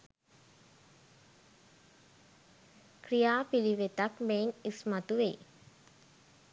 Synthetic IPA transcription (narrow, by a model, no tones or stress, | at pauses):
krijaːpiliʋet̪akmeːnismat̪uʋḛ